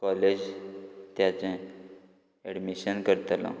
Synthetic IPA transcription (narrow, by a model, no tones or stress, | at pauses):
kɔled͡ʑt̪jat͡sɛ̃ | eɽmiɕənkəɾt̪alɔ̰̃